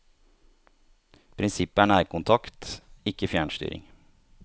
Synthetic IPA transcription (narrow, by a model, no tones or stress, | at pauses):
pʰɾɪnsɪpæɳæːɪkʊnt̪ʰɑkt̪ɪkəfjæːɳʃt̪y̰ːɾɪ̰ŋ